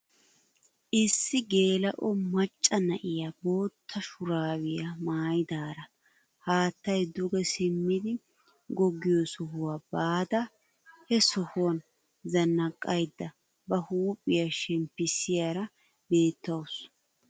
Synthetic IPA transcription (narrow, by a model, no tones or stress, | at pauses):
ʔɪsːɪɡe̞ːlɐʔɔmɐt͡ʃʼːɐnɐʔɪjabo̞ːt̪ʰːɐʃʊɾaːwɪjɐmaːjd̪aːɾɐ | haːt̪ːɐjd̪ʊɡɛsɪmːɪd̪ɪ | ɡɔɡɪjɔsɔhʊwaːbaːd̪ɐ | hɛsɔhʊwɐn | zɐnːɐkʼːɐjd̪ːɐ | bɐhuːpʼːɪjaʃɛmpːɪsɪjaɾɐ | be̞ːt̪ːɐws